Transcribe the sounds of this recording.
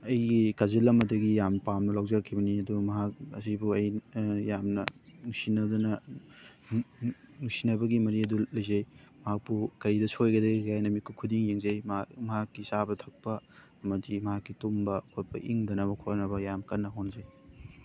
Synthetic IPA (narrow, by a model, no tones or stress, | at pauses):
ɐjɡikazilɐmɐdɐɡijampamnɐlawd͡ʒɐɾkʰibɐniɐdumɐɦak̚ɐ̰sibuɐjjamnɐŋusinɐdɐnɐ | nusinɐbɐɡimɐɾiɐdulɐjzej | mɐɦak̚pukɐɾidɐsʰojɡɐdɐɡiɡajnɐmikʰːukʰudiŋjeŋzejmmɐɦakːisabɐtʰɐk̚pɐ | ɐmɐdimɐɦakːitumbɐkʰot̚pʰɐ̰ʔiŋdɐnɐβɐkʰoɾnɐbɐjamkɐnːɐɦonzej